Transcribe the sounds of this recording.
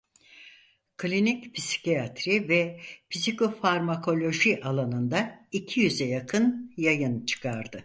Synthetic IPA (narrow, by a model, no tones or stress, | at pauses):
kʰlʲinicpʰisi̥ciat̪ʰɾivɛpʰizikʰo̞faɾmakʰo̞lʲo̞ʒiʔalˠanɯnd̪aicʰijyzɛjakʰɯnjajɯnt͡ʃʰɯ̥kʰaɾd̪ɯ